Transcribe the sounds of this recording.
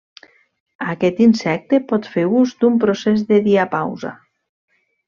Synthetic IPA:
akɛt̪insɛk̚t̪epɔt̪feɾuzd̪umpɾosezðeðiapawza̰

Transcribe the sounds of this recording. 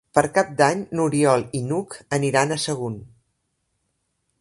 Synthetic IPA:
pəɾkap̚d̪aɲnuɾiɔlˠinukəniɾanəsəɣ̞un

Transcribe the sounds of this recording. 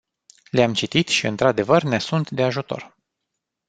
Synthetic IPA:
leamt͡ʃit̪it̪ʃiɨ̰nt̪ɾad̪e̞vərne̞sunt̪d̪e̞aʒut̪o̞̰r

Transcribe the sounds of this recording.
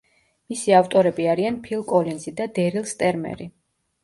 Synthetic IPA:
misiavt̪ʼɔɾɛbiaɾianpʰilˠkʼɔlinzid̪ad̪ɛɾilˠst̪ʼɛɾmɛ̰ɾi

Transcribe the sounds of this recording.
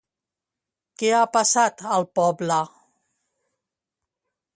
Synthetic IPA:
kɛapasat̪əlˠpɔblə

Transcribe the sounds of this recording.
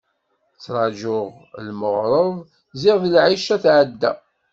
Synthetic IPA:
t͡sːɾˤɑd͡ʒʊʁ | lməʁɾˤəðˤ | zɪʁðlʕiʃæθʕəd̪ːæ̰

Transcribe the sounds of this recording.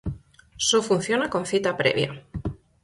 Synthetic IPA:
sofun̟θjonako̞nθit̪apɾḛβj̰a̰

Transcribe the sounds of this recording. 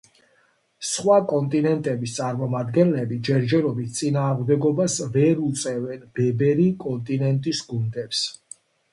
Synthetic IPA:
sχwakʼɔnt̪ʼinɛnt̪ʼɛbist̪sʼaɾmɔmad̪ɡɛnlɛbid͡ʒɛɾd͡ʒɛɾɔbit̪̚ʰt̪sʼinaːʁmd̪ɛɡɔbasvɛɾut̪sʼɛvɛnbɛbɛɾikʼɔnt̪ʼinɛnt̪ʼisɡund̪ɛps

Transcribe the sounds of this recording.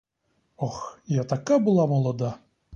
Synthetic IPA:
oxjat̪akabɨlˠamolˠɔd̪a

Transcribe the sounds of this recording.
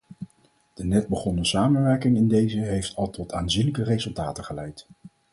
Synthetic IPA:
d̥ənɛd̚bəχɔnəsaːmənʋɛɹkɪŋɪndejzəɦejftʰɑlˠtɔtʰaːnzinləkərejzɵlˠtaːtəχəlɛjt

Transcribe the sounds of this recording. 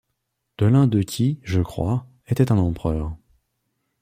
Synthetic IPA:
d̪̥əlɛ̃d̪əkʲʰiʒəkχwa | et̪ɛt̪ɛ̃nɑ̃pχœːʁ

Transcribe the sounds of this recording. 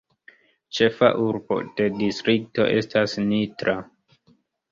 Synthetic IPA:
t͡ʃe̞fa̰ʔuɾbo̞̰d̥e̞distɾik̚to̞̰ʔe̞stasnitɾa

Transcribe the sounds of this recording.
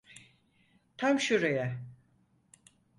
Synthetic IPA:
t̪ʰamʃuɾejɛ

